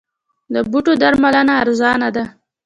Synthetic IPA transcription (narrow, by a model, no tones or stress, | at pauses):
d̪əbuʈod̪aɾmalənaːɾzɑnad̪a